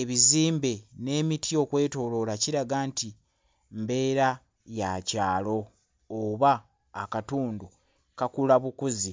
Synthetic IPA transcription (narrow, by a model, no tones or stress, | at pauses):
e̞βiziːmbe̞ne̞ːmitʰio̞kwe̞ːto̞lo̞laciɾaɡaːnti | mbe̞ːɾa | jacaːlo̞ | oβaː | katuːndu | kakulaβukuzi